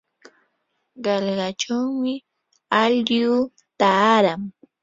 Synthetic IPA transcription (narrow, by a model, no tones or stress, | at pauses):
ɢɑlɢɑt͡ʃawmɪ | aʎjuː | t̪aːɾaŋ